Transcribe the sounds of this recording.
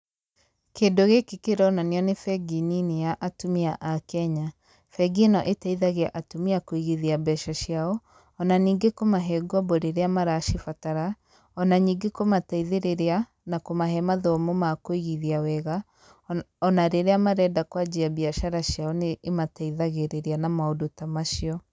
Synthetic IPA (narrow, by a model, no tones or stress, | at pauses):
keːdoɣekekeɾɔnaneɔnefɛɡininiaʔatumiaʔakɛɲa | fɛɡinɔʔetaiðaɣeaʔatomiakoiɣeðiabɛʃaʃjaɔ | ɔnaniːŋɡekomaɦɛɡwɔboɾeɾeamaɾaʃifataɾa | ɔnaɲiːɡekomataiðeɾeɾea | nakomaɦɛmaðɔmomakoiɣiðiawɛɣa | ɔnaɾeɾeamaɾɛdakwad͡ʑiabiaʃaɾaʃjaɔneʔːmataiðaɣeɾeɾeanamaodotamaʃiɔ